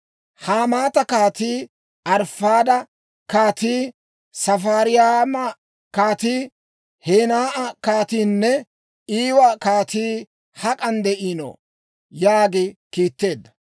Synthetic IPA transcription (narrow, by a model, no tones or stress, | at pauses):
haːmaːt̪ɐkaːt̪iː | ɐɾfaːd̪ɐ | kaːt̪iː | sɐfaːɾɪjamɐ | kaːt̪iː | heːnaːʔɐkaːt̪iːnːɛ | iːwɐkaːt̪iː | hɐkʼɐnd̪ɛʔiːno̰ː | jaːɡɪkiːt̪ːe̞ːd̪ːɐ̥